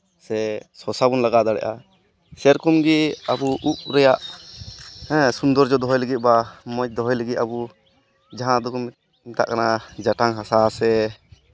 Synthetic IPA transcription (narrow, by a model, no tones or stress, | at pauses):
sɛsɔsabunlaɡad̪aɽɛ̰ʔa | sɛɾkumɡɛabuʔup̚ɾɛjaʔ | ɛ̃sund̪ɔɾd͡ʒɔd̪ɔɦɔjlɛɡit̪̚ˀbamɔc̚d̪ɔɦɔjlaɡit̪̚abu | d͡ʒaɦãd̪ɔkɔ | mɛt̪a̰ʔkanad͡ʒaʈaŋɦasasɛ